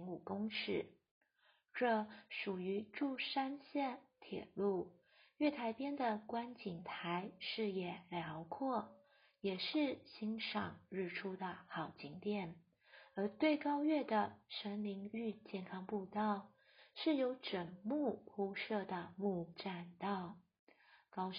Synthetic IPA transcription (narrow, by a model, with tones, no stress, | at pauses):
ŋu˨˩kʊ˥ŋʂɻ̩˥˩ | ʈ͡ʂɤ˥˧ʂu˨˩y˧˥ʈ͡ʂu˥˩ʂa˥nɕjɛ˥˩nt̪ʰjɛ̰˨˩lu˥˩ | ɥɛ˥˩t̪ʰa˧˥ɪpjɛ˥nd̪ə˨kwa˥nt͡ɕi˨˩ŋt̪ʰa˧˥ɪʂɻ̩˥˩jɛ˨˩ljɑ˧˥ʊkʰwɔ˥˩ | jɛ˨˩ʂɻ̩˥˩ɕi˧˥ŋʂɑ˨˩ŋɻɻ̩˥˩ʈ͡ʂʰu˥d̪ə˨xɑ˨˩ʊt͡ɕi˧˥ŋt̪jɛ˥˩n | ə˞˧˥t̪we˥˩ɪkɑ˥ʊɥɛ˥˩d̪ə˩ʂə˧˥nli˧˥ŋy˥˧t͡ɕjɛ˥˩nkʰɑ˥ŋpu˥˧t̪ɑ˥˩ʊ | ʂɻ̩˥˩jo˧˥ʊʈ͡ʂə˨˩ŋmu˥˩pʰu˥ʂɤ˥˩d̪ə˩mu˥˧ʈ͡ʂa˥˩nt̪ɑ˥˩ʊ | kɑ˥ʊ